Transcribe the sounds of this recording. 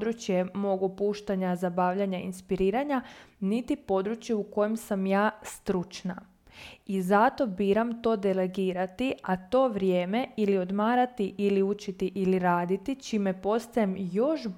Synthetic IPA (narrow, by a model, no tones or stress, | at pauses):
d̪ɾut͡ʃje̞mo̞ɡopuːʃt̪aɲazabaːʋʎaɲainspiɾiːɾaɲanit̪ipo̞d̪ɾut͡ʃjeuko̞jemsamjaːst̪ɾut͡ʃna | izat̪o̞biːɾamt̪o̞ːd̪e̞le̞ɡiːɾat̪iat̪o̞ːʋɾje̞ːme̞ilio̞d̪maːɾat̪iʔiliut͡ʃit̪iʔiliɾaːd̪it̪it͡ʃime̞po̞st̪ajemjo̞ʃ